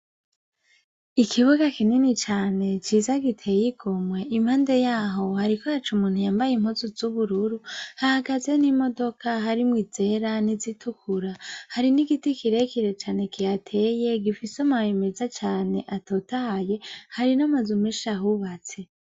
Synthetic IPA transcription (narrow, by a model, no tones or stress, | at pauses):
ikʰiβuɡakininit͡ʃaːne̞t͡ʃiːzaɡitʰe̞jiɡʰomwe̞ʔim̥haːnde̞jaːɦo̞haɾikojat͡ʃumuːnhujaːmbajim̥hozuzuβuɾuɾuhahaɡaze̞nimo̞do̞kʰaɦaɾimwiːze̞ɾanizitʰukʰuɾahaɾiniɡitikiɾe̞kiɾe̞t͡ʃaːne̞kʰijatʰe̞je̞ɡifisomaweme̞zat͡ʃaːne̞ʔato̞ːtahaje̞haɾinamazumiʃaɦuβat͡se